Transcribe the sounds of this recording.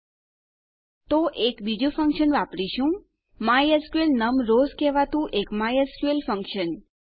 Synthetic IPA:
t̪oʔekbid͡ʒũfə̃ŋkʃənʋapɽiʃũ | majəɾskuelnəmɾozkeʋat̪ũʔekmajəɾskuelfə̃ŋkʃən

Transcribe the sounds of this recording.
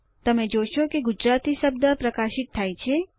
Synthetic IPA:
t̪əmẽd͡ʒoʃokeɡʊd͡ʒɾat̪isəb̚d̪əpɾəkaʃɪt̪̚ʰːajt͡ʃʰe

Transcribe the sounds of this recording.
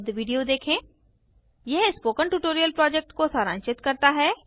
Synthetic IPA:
d̪ʋiːɖijod̪eːkʰẽː | jɛɦspoːkənʈuːʈoːɾijəlpɾɔːd͡ʒek̚ʈkosaːɾã̰ːnt͡ʃɪt̪kɐɾt̪aɦɛː

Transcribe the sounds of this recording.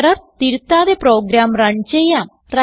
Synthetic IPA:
ɽɐɾt̪iɾut̪ːaːðepɾoːɡɾaːmrɐɳt͡ɕejːaːm | rɐ

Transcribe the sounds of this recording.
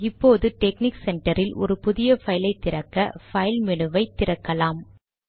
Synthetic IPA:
ɪpːoːðɯʈɛkniksɛɳʈɐɾɪlɔ̰ɾɯpʊðɪjɐfɐjɪlɐɪt̪ːɪɾɐkːɐfɐɪlmɛnɯʋɐɪt̪ːɪɾɐkːɐlaːm

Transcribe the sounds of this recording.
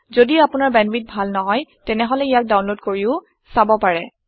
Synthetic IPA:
zodiapʊnaɹbɛnwit̚bʱalnɔɦɔjtɛnɛɦɔlɛijak̚dawnlodkoɹiʊ | sabɔpaɹɛ

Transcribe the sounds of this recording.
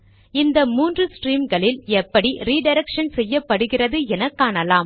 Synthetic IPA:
ɪnd̪ɐmuːndrɯsʈriːmɡɐɭɪlɛpːɐɽiɾiːɖɐɪɾɛkʂɐnsɛjːɐpːɐɽɯɣɪrɐðɯɛnɐkːaːɳɐlaːm

